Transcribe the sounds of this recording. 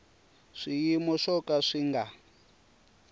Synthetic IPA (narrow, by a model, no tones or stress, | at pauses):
ʂijimɔʂɔkaʂiŋɡa